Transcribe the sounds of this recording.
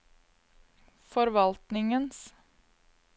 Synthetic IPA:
fɔɾʋɑlt̪nɪŋəns

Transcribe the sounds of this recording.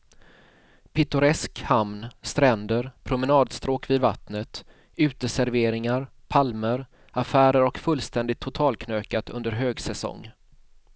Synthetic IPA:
pʰɪt̪ɵɾɛskhamnst̪ɾɛnd̪əɾpʰɾʊmɛnɑːd̪st̪ɾoːkviːd̪va̰t̪nət̪ | ʉ̟ːt̪əsæɾveːɾɪŋaɾ | pʰalməɾ | afæːɾəɾɔkfɵlːst̪ɛnd̪ɪt̪ʰːʊt̪ʰɑːlkʰnøːkat̪ɵnd̪əɾɦøːɡsɛsɔ̰ŋː

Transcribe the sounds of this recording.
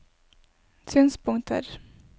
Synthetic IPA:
syːnspʰʊŋt̪ʰə̰ɾ

